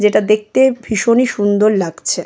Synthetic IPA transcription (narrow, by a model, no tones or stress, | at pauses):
d͡ʑeʈad̪ek̚t̪ebʱiʃoniʃund̪oɾlaɡt͡ɕʰe